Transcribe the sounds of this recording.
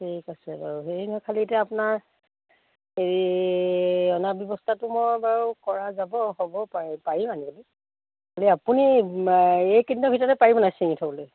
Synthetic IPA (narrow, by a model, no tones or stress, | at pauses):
tʰikasɛbaɹuɦeɹinɔkʰalitɛapunaɹ | eɹi | ɔnabjɔbɔstʰatʊmojbaɹukɔɹazabɔhobɔpapaɹimanibɔloj | kaliapuni | ejkindɔbʱitɔtɛpaɹibɔnasiŋitʰabɔlʊj